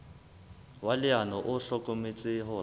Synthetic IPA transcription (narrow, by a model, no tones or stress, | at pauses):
walɪanɔʔʊɬɔkʼomɪt͡sʼɪɦʊ